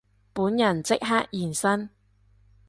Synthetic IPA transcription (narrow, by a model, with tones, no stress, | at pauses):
puː˨˥njɐ˨˩nt͡sɪ˥k̚ɦaː˥k̚jiː˨˩nsɐ˥n